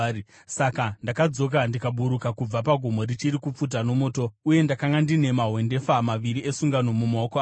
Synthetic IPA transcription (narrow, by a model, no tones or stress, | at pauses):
sakandakad͡zo̞k̬andikaɓuɾukakub͡vapaɡʱomo̞ɾit͡ʃiɾikup͡fut̬ano̞mo̞ːto̞uje̞ndakaŋɡandine̞maɦwe̞nde̞famaʋiɾiesuŋɡano̞mumaoko